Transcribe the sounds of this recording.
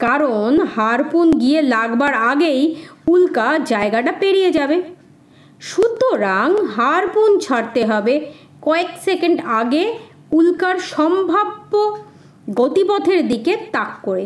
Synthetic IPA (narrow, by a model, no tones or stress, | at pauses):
kaɾonhaɾpunɡielaɡbaɾaɡejulkad͡ʑaeɡaʈapeɾied͡ʑabe | ʃut̪oɾaŋɦaɾpunt͡ɕʰaɾt̪eɦɔbe | kɔeksekeɳɖaɡe | ulkaɾʃɔmbʱabːo | ɡot̪ipɔd̪ʰʱeɾd̪iket̪akːoɾe